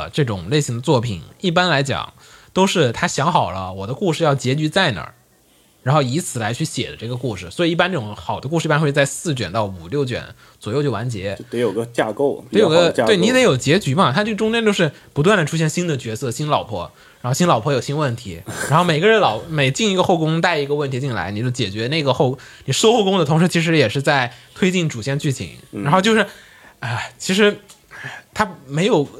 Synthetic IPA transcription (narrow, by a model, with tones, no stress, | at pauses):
ʈ͡ʂɤ˥˩ʈ͡ʂʊ˨˩˦ŋle˥˩ɪɕi˧˥ŋd̪ə˧t͡swɔ˥˩pʰḭ˨˩˦ni˥˩p̬a˥nla˧˥ɪt͡ɕjɑ̰˨˩˦ŋ | t̪o˥ʊʂɻ̩˥˩t̪ʰa˥ɕjɑ˧˥ŋxɑ˨˩ʊlə˦wɔ˨˩d̪ə˦ku˥˧ʂɻ̩˥˧jɑ˥˩ʊt͡ɕjɛ˧˥t͡ɕy˧˥t͡sa˥˩ɪnə̰˞˨˧˩ | ɻa˧˥nxo˥˩i˧˥t͡sʰɹ̩˨˩la˧˥ɪt͡ɕʰy˥˩ɕjɛ̰˨˩d̪ə˦ʈ͡ʂɤ˥˩ɡə˩ku˥˩ʂɻ̩˨˩swɔ˧˥i˨˩i˥˩pa˥nʈ͡ʂɤ˥˩ʈ͡ʂʊ˨˧˦ŋxɑ˨˩ʊd̪ə˦k̬u˥˧ɻ̩˥˧i˥˩pa˥nxwe˧ɪt͡sa˧ɪsɹ̩˥˩t͡ɕɥɛ̰˨˩nt̪ɑ˥˩ʊu˨˩ljo˥˩ʊt͡ɕɥɛ̰˧˩˦n | t͡swɔ˨˩jʊt͡ɕjo˥˩ʊwa˧˥nt͡ɕjɛ˧˥e˧˥jo˨˩ɡə˦t͡ɕa̰˥˧ko˥˩ʊ˧˥jo˧˨˩ɡə˧t̪we˥˩ɪni˥t̪e˧˥ɪjo˨˩ʊt͡ɕjɛ˧˥t͡ɕy˧˥mɐ˨t̪ʰa˥˩ʈ͡ʂʊ˥ŋt͡ɕjɛ˥nt̪jo˥˧ʊʂɻ̩˥˩ | pu˧˥t̪wa˥˩nd̪ə˩ʈ͡ʂʰu˥ɕjɛ˥˩nɕi˥nd̪ə˨t͡ɕɥɛ˧˥sɤ˥˧ɕi˥nlɑ˨˩ʊpʰwɔ̰˥ | ɻa˧˥xo˥˧ʊɕi˥nlɑ˨˩ʊpʰɔ˧˥jo˨˩ʊɕi˥nwə˥˩nt̪ʰḭ˧˥ɻxo˥˩ʊme˨˩ɪɡə˦ɻə˧˥nlɑ˨˩ʊme˨˧˩ɪt͡ɕi˥˩ŋi˧˥ɡə˧xo˥˩ʊkʊ˥ŋt̪a˥˩ɪi˧˥ɡə˧wə˥˩nt̪ʰi˧˥t͡ɕi˥˩nla̰˧˥ɪni˨˩t͡ɕo˥˩ʊt͡ɕjɛ˨˩t͡ɕɥɛ˧˥ne˥˩ɡə˩xo˥˧ʊkni˨˩ʂʂwxo˥˩ʊkʊ˥ŋd̪ə˩t̪ʰʊ˧˥ŋʂɻ̩˧˥t͡ɕʰi˧˥ʂ̬ɻ̩˧˥jɛ˨˩ʂɻ̩˥˧t͡sa˥˩ɪt̪ʰwe˥ɪt͡ɕi˥˩nʈ͡ʂu˨˩ɕjɛ˥˧nt͡ɕy˥˩t͡ɕʰḭ˧˩˦ŋaa˧˥xo˥˧t͡ɕjo˥˧ʊʂɻ̩˥˩ | ə˥˧˩t͡ɕʰi˧˥ʂɻ̩˧˥˧ | t̪ʰa˥me˧˥ɪjo˨˩ʊ